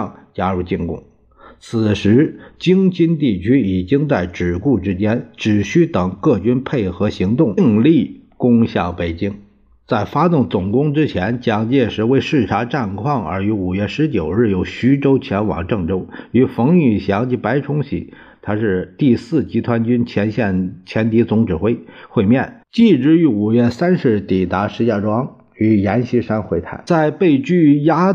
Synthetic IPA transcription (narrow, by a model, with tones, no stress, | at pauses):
t͡ɕja˥ɻu˥˧t͡ɕi˥˧ŋkʊ̰˥˩ŋ | t͡sʰɹ̩˨˩ʂɻ̩˧˥t͡ɕi˥ŋt͡ɕi˥nt̪i˥˩t͡ɕʰy˥i˨˩t͡ɕi˥ŋt͡sa˥˩ɪʈ͡ʂɻ̩˨˩ku˥˩ʈ͡ʂɻ̩˥t͡ɕjɛ˥nʈ͡ʂɻ̩˨˩ɕy˥t̪ɤ˨˩ŋkɤ˥˩t͡ɕy˥npʰe˥˩ɪxɤ˧˥ɕi˧˥ŋt̪ʊ˥˩ŋ˥˧ŋli˥˩kʊ˥ŋɕjɑ˥˩ŋpe˨˩ɪt͡ɕi˥ŋ | t͡sa˥˩ɪfa˥t̪ʊ˥˩ŋt͡sʊ˨˩ŋkʊ˥ŋʈ͡ʂɻ̩˥t͡ɕʰjɛ˧˥nt͡ɕjɑ˥ŋt͡ɕjɛ˥˧ʂɻ̩˧˥we˥ɪʂɻ̩˥˩ʈ͡ʂʰa˧˥ʈ͡ʂa˥˧nkʰwɑ˥˩ŋə̰˞˧˥y˧˥u˨˩ɥɛ˥˩ʂɻ̩˧˥t͡ɕjo˨˩ʊɻɻ̩˥˩jo˨˧˩ʊɕy˧˥ʈ͡ʂo˥ʊt͡ɕʰjɛ˧˥nwɑ̰˨˩ŋʈ͡ʂɤ˥˩ŋʈ͡ʂo˥ʊy˧˥fɤ˧˥ŋy˨˩ɕjɑ˧˥ŋt͡ɕi˧˥pa˧˥ɪʈ͡ʂʰʊ˥ŋɕḭ˧˥ | t̪ʰa˥ʂɻ̩˥˧t̪i˥˧sɹ̩˥˩t͡ɕi˧˥t̪ʰwa˥nt͡ɕy˥nt͡ɕʰjɛ˧˥nɕjɛ˥˩nt͡ɕʰjɛ˧˥nt̪i˧˥t͡sʊ˧˥ŋʈ͡ʂɻ̩˨˩xwe˥˧ɪxwe˥˧ɪmjɛ˥˩nt͡ɕi˥˩ʈ͡ʂɻ̩˧˥y˧˥u˨˩ɥɛ˥˩sa˥nʂɻ̩˧˥˧t̪i˨˩t̪a˧˥ʂɻ̩˧˥ɕja˥˩ʈ͡ʂwɑ˥ŋ | y˧˥jɛ˧˥nɕi˧˥ʂa˥nxwe˥˩ɪt̪ʰa̰˥˩ɪt͡sa˥˧ɪpe˥˧ɪt͡ɕy˥˩ja˥